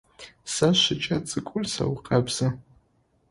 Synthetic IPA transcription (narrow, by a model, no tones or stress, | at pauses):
saʃɪt͡ʃʼat͡sʼɨkʷʼʊrsa̰wqʼabz̥ɨ